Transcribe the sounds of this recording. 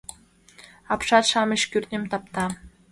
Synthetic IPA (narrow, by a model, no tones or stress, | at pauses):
ɑpʃɑt̪ʃɑmɤ̆ɕkʲyrnʲemt̪ɑp̚t̪ɑ